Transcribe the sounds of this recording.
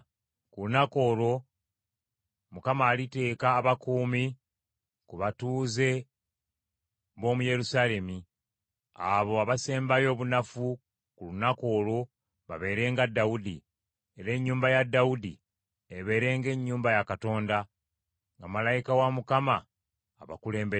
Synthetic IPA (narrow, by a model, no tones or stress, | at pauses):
kulunako̞ːlo̞ | mukamaːlite̞ːkaːβakuːmi | kuβatuːze̞ | βo̞ːmuje̞ɾusale̞mi | aβo̞aβase̞ːmbajo̞ːβunafu | kulunako̞ːlo̞ | βaβe̞ːɾe̞ːŋɡadːaudi | e̞ɾe̞ɲːuːmbajadːaudi | eβe̞ːɾe̞ːŋɡe̞ɲːuːmbajakato̞ːnda | ŋɡamalajikawamukamaː | βa̰kule̞ːmbe